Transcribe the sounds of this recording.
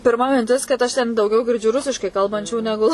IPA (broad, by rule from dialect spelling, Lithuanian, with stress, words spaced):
pʲɪrˈmɐ mʲɪnʲˈtʲɪs kɐt ˈɐʃ tʲɛn dɐʊˈɡʲɛʊ ɡʲɪrʲˈd͡ʒʲʊ ˈrʊsʲɪʃkɐɪ ˈkɐlˠbɐnʲt͡ʃʲuː nʲɛˈɡʊ